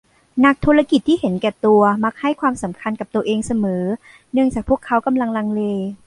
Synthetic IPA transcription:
na˧˦˥k̚t̪ʰu˧ɾla˧ki˨˩t̪ʰːiː˥˩he˩˦nkɛː˨˩t̪u˧ɐma˧˥k̚ha˥˩jkʰwaː˧msa˩˦mkʰa˧nka˨˩p̚t̪u˧ɐʔeː˧ŋsa˧mɤː˩˦ | nɯ˥˩əŋt͡ɕaː˨˩k̚pʰu˥˩əkʰːa˦˥wka˧mla˧ŋla˧ŋleː˧

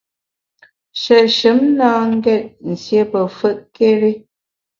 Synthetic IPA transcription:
ʃə˨ʃɨ˨˦mnaː˦ŋ̩˦ɡɛ˦˨t̚n̩˨sje˦pə˨fə˦˨ʔke˦ɾe˦

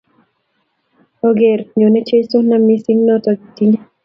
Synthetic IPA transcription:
o˦ɡe˨ɾɲo˨ne˦t͡ʃe˦so˦na˨mi˦sɪ˦ŋnɔ˦tɔ˨ɡi˨ti˦ɲa˦

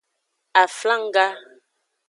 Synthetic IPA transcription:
a˨fla˦ŋ˦ɡa˦

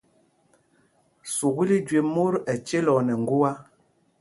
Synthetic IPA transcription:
su˨ɣi˦li˦d͡ʒwe˨mo˦ɾɛ˨t͡ʃe˦lɔ˨nɛ˨ŋ˨ɡu˦a˦

